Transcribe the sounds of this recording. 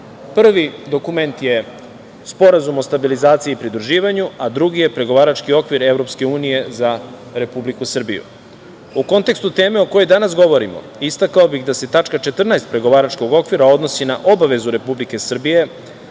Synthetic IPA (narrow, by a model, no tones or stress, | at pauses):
pr̩ʋid̪o̞kume̞nt̪je̞ | spo̞ɾazumo̞st̪abilizaːt̪siiːpɾid̪ɾuʒiːʋaɲuad̪ɾuɡije̞pɾe̞ɡo̞ʋaːɾat͡ʃkio̞kʋiɾe̞vɾo̞pske̞uːnije̞za | ɾe̞publikusr̩bijṵ | uko̞nt̪e̞kst̪ut̪e̞ːmeo̞ko̞jojd̪anas̬ɡo̞ʋo̞ɾimo̰ist̪akaobixd̪ase̞t̪at͡ʂkat͡ʃe̞t̪r̩najst̪̚pɾe̞ɡo̞ʋaːɾat͡ʃko̞ɡo̞kʋiɾao̞d̪no̞sinaʔo̞baʋe̞zuɾe̞publike̞sr̩bije̞